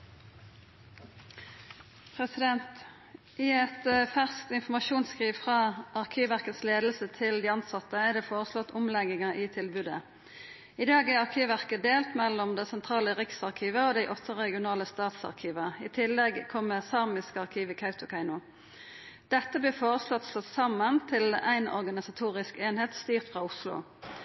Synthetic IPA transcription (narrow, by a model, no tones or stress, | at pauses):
pʰʁɛsɪd̪ɛnt̪ | ʔɪɛt̪fæʁskt̪ɪnfɔmɑʃuːnskʁiːʋfʁɑʔɑʁkʰiːʋʋæʁkət̪sleːd̪l̩sət̪ʰɪld̪iːɑnsɑt̪əæɖɛːfoːʁəslɔt̪ʰːʊmlɛɡɪŋəʔɪt̪ʰɪlbʉd̪ə̰ | ɪd̪ɑːɡæɾɑʁkʰiːʋʋæʁkəd̪eːlt̪mɛlːɔmd̪ɛsɛnt̪ʰʁɑːləʁɪksɑʁkʰiːʋəɔd̪æɪʔɔt̪ʰːəʁɛɡɪʊnɑːləst̪ɑːt̪sɑ̰ʁkʰiːʋəɪt̪ʰɪlːɛɡkʰɔmːəsɑʁmɪskəɑʁkʰiːʋɪkʰɑʉt̪ʊkʰɑɪnʊ | d̪̥ɛt̪ːəbliːfoːʁəslɔt̪slɔt̪sɑmənt̪ʰɪlæɪnɔ̰ʁɡɑnɪsɑt̪ʰuːʁɪskeːnheːt̪st̪yːʁt̪fʁɑːʊslʊ̰